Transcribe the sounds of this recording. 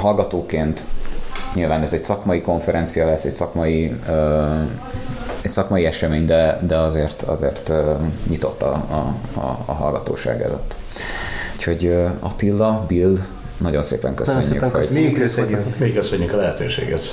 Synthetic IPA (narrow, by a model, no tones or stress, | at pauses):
ɦɒlɡɒt̪oːkeːnt̪ɲilvaːnɛzɛɟsɒkmɒjiko̞ɱfɛɾɛnt̪sijɒlɛsːɛcsɒkmɒjiø | ɛcsɒkmɒiɛʃɛmeːɲd̪ɛd̪ɛɒzeːrt̪ʰɒ̰zḛːrt̪øɲit̪o̞t̪ːɒ̰ | ɦɒ̰lɡɒt̪o̰ːʃa̰ːɡɛ̰lø̰t̪ː | u̥cho̞ɟøɒ̰t̪ilːɒbil | nɒɟo̞nsḛːpɛ̰ŋkøsø̰ɲːy̰hoøsmeikːøsøɲːykɒlɛɦɛt̪øːʃḛːɡɛt̪